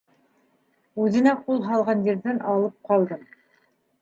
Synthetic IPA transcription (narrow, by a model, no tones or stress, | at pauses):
ʉðɘ̆næqulˠɦɑlˠʁɑnjiɾðɘnʔɑlˠɤp̚qɑlˠd̪ɤm